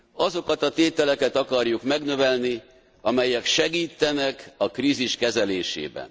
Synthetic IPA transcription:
ɒzo̞kɒt̪ɒt̪eːt̪ɛlɛkɛt̪ɒkɒrjukmɛɡnø̞vɛlni | ɒmɛjɛkʃɛɡiːt̪ːɛnɛkɒkriːziʃkɛzɛleːʃḛːbɛ̰n

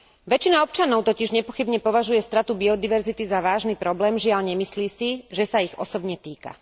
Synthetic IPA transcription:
ʋɛt͡ʃinaɔp̚t͡ʃanɔʊt̪ɔciʒɲɛpɔxibɲɛpɔʋaʒujɛst̪ɾat̪ubiɔd̪iʋɛɾzit̪izaʋaːʒnipɾɔblɛːmʒɪaʎɲɛmisliːsiʒɛsaiɣɔsɔbɲɛt̪iːka̰

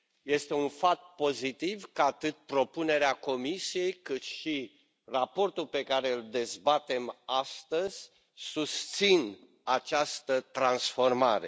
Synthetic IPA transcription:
je̞st̪e̞unfat̪̚po̞zit̪ivkəat̪ɨt̪̚pɾo̞pune̞ɾeako̞misije̞jkɨt̪ʃi | rapo̞rt̪ulpe̞kaɾe̞ɨld̪e̞zbat̪e̞mast̪əzʲ | sust̪sin | at͡ʃast̪ət̪ɾansfo̞rmaɾe̞̰

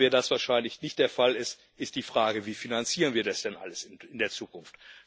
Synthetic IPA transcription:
vɛːɐdasv̥aːɐʃaɪnlɪçnɪçt̚d̥eːɐfalɪst | ʔɪstd̥iːfʁ̥aːɡəviːfinant͡siːʁənviːɐdasd̥ɛnʔa̰ləsɪnɪndeːɐt͡suːkʊnft

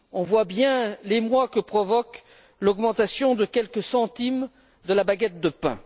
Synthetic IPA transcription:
ɔ̃vwabjɛ̃lemwakəpχɔvɔk | lɔɡmɑ̃t̪asjɔ̃d̪əkʲɛlkəsɑ̃t̪im | d̪əlabaɡɛt̪̚d̪əpɛ̰̃

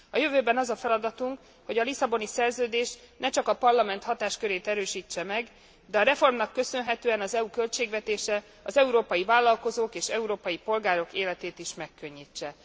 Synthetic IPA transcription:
ɒjø̞vøːbɛnɒzɒfɛlɒd̪ɒt̪uŋk | ho̞ɟɒlisɒbo̞nisɛrzøːd̪eːʃnɛt͡ʃɒkɒpɒrlɒmɛnt̪hɒt̪aːʃkøɾeːt̪ɛɾøːʃiːt͡ʃːɛmɛɡ | d̪ɛɒɾɛfo̞rmnɒkːø̞sønɦɛt̪øːɛnɒzɛukø̞lt͡ʃeːɡʋɛt̪eːʃɛ | ɒzɛuɾoːpɒjivaːlːɒlko̞zoːkeːʃɛuɾoːpɒjipo̞lɡaːɾo̞keːlɛt̪eːt̪iʃmɛkːø̞ɲːit͡ʃːɛ

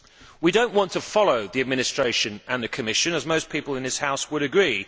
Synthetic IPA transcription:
widə̃ʊ̃nʔwɒ̃ntʰəfɒləʊðiəd̚mɪñɪstɹ̥eɪʃə̃nə̃nðəkʰəmɪʃə̃nəzməʊspʰiˑpəlɪ̃nðɪshaʊswəɾəɡɹiː

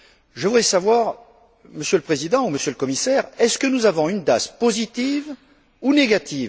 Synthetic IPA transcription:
ʒəvud̪ʁɛsavwaʁ | məsjøləpχezid̪ɑ̃uməsjøləkɔmisɛːʁɛskənuzavɔ̃ynd̪aspozit̪iv | uneɡat̪ʰiːv

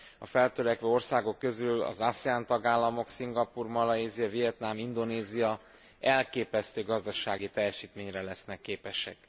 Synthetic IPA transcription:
ɒ̰fɛlt̪øɾɛkʋɛo̞rsaːɡo̞kːø̞zylɒ̰zasɛaːnt̪ɒɡaːlːɒmo̞ksiŋɡɒpuːrmɒlɒeːzijɒvijɛt̪namind̪o̞neːzijɒ | ɛlkeːpɛst̪øːɡɒzd̪ɒʃaːɡit̪ɛjɛʃiːt̪meːɲrɛlɛsnɛkːeːpɛʃɛ̰k

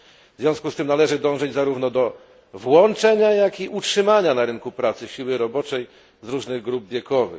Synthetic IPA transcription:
vzvʲjɔ̃w̃skust̪ɘmnalɛʐɘd̪ɔ̃w̃ʐɛd͡ʑzaɾuvn̪ɔd̪ɔ | vwɔnt͡ʂɛɲajakiʔutʂɘmaɲanaɾɘnkupɾat̪sɘɕiwɘɾɔbɔt͡ʂɛj | zɾuʐnɘɣɡɾub̚vʲjɛkɔvɘ̰

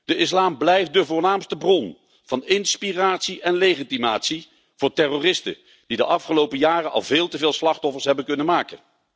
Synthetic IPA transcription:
d̥əɪslaːmblɛjft̚dəvʊːɹnaːmstəbrɔn | v̥ɑnɪnspiraːtsiʔɛnlejχitimaːtsi | v̥ʊːɹtɛroːrɪstə̰ | d̥idəʔɑfχəlowpəjaːrənɑ̰lˠvɪːlˠtəvɪːlˠslɑχtɔfəɹsɦɛbənkɵnənmaːkən

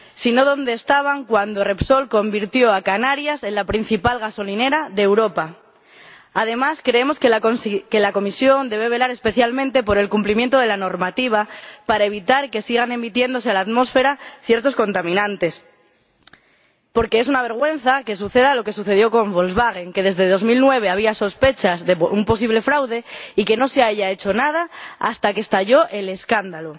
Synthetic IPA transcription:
sino̞ðo̞nd̪eːst̪aβ̞aŋkwand̪o̞re̞pso̞lko̞mbiɾt̪jo̞akanaɾjase̞nlapɾin̟θipalɣaso̞line̞ɾaðeːwɾo̞pa | að̞e̞maskɾe̞emo̞skke̞lakomisjo̞nd̪e̞β̞e̞βe̞laɾe̞spe̞θjalmẽnt̪e̞po̞ɾe̞lkumplimje̞nt̪o̞ð̞e̞lano̞ɾmat̪iβ̞apaɾae̞β̞it̪aɾke̞siɣ̞ane̞mit̪je̞nd̪ose̞alat̪mo̞sfe̞ɾaθje̞ɾt̪o̞sko̞nt̪amĩnãnt̪e̞s | po̞ɾke̞esunaβ̞e̞ɾɣ̞we̞n̟θake̞s̬uθe̞ðalo̞ke̞suθe̞ð̞jo̞ko̞ɱbolzβaɣ̞e̞ŋke̞ð̞e̞zðe̞ðo̞zmilnwe̞β̞e̞aβ̞iaso̞spe̞t͡ʃazðeumpo̞s̬iβ̞le̞fɾawðe̞ike̞no̞se̞aʝae̞t͡ʃo̞nað̞aa̰st̪ake̞st̪aʝo̞ʔe̞le̞skand̪alo

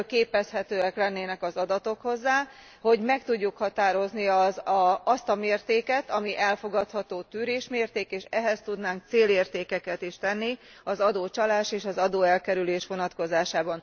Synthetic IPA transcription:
keːpɛshɛt̪øːɛklɛnːeːnɛkɒzɒd̪ɒt̪o̞kho̞zːaː | ho̞ɟmɛk̚t̪uɟːukhɒt̪aːɾo̞zniɒzɒst̪ɒmeːrt̪eːkɛt̪ɒmiʔɛlfo̞ɡɒt̪hɒt̪oːt̪yːɾeːʃmeːrt̪eːkeːʃɛɦɛst̪ud̪naːŋk̚t̪seːleːrt̪eːkɛkɛt̪iʃt̪ɛnːi | ɒzɒd̪oːt͡ʃɒlaːʃeːʃɒzɒd̪oːɛlkɛɾyleːʃʋo̞nɒt̪ko̞zaːʃaːbɒn

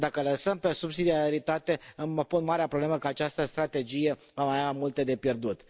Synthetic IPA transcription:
d̪akələsəmpe̞subsid̪iaaɾit̪at̪e̞ɨmpunmaɾeapɾoble̞məkəat͡ʃast̪əst̪ɾat̪e̞d͡ʒije̞ | vamajamult̪ed̪e̞pje̞rd̪ut̪

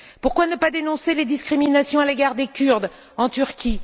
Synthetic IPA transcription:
puʁkwanəpad̪enɔ̃seled̪iskχiminasjɔ̃aleɡaʁd̪ekʲyʁd̪ | ɑ̃t̪yʁkʲi

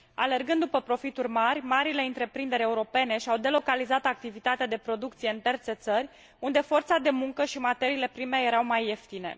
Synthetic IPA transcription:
a̰le̞rɡɨnd̪d̪upəpɾo̞fit̪urʲmarʲmaɾile̞ɨnt̪ɾe̞pɾind̪e̞ɾʲe̞uɾo̞pe̞ne̞ʃiawd̪e̞lo̞kalizat̪ak̚t̪ivit̪at̪ead̪e̞pɾo̞d̪ukt̪sijeɨnt̪e̞rt̪se̞t̪sərʲ | und̪e̞fo̞rt̪sad̪e̞muŋkəʃimat̪e̞ɾiːle̞pɾime̞je̞ɾawmajeft̪ine̞̰

